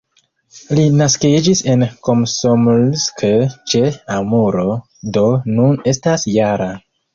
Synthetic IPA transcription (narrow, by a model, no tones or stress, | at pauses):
linaskid͡ʒise̞nkomsomlsket͡ʃeamuɾo̞ | do̞nune̞stasjaɾa